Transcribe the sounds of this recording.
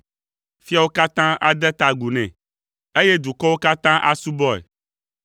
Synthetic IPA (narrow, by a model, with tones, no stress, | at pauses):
fi˦a˨wo˦ka˦t̪ã˦ʔa̰˨d̪ɛ˦t̪a˨ɡu˨nɛ̃˨ | e˦je˦d̪u˨kɔ˦wo˦ka˦t̪ã˦ʔa̰˦su˦bɔ˦ɛ̰˨